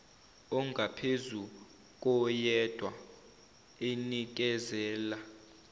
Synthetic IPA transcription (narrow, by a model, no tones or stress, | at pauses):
ɔŋɡʱapʰezu | k̬ʼɔjɛd̥ʱwa | enik̬ɛzɛːla